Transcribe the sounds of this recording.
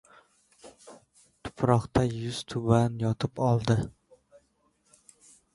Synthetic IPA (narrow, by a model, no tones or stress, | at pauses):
t̪ʰʊ̥pɾɒχt̪ʰajʊz̥t̪ʰʊbanjɒt̪ʰɪpɒlˠd̪ɪ